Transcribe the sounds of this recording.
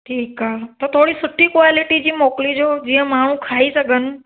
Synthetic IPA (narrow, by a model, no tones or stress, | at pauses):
ʈʰiːkaːɦet̪ɐt̪ʰoːɽisʊʈʰikʋaːlɪʈid͡ʑiːmoːklid͡ʑoːd͡ʑiːə̃maːɳ̤ũkʰaːisɐɠənɪ̆